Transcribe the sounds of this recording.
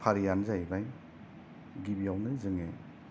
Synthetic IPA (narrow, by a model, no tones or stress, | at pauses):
pʰaɾijanzajbaj | ɡibijawnɯzɯŋe